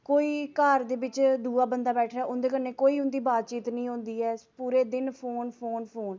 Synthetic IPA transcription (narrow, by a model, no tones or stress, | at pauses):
koːiːkəɾd̪eːbɪt͡ʃd̪uːaːbənd̪aːbɛːʈʰɾaːʔʊnd̪eːkənːeːkoːiːʊnd̪iːbaːt̪̚t͡ʃiːt̪nĩːɦõːnd̪iːɛːpuːɾeːd̪ɪnpʰoːnpʰoːnpʰoːn